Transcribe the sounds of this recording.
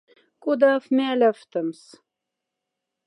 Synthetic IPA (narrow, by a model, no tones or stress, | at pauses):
kud̪ɑfmælʲæft̪ə̆ms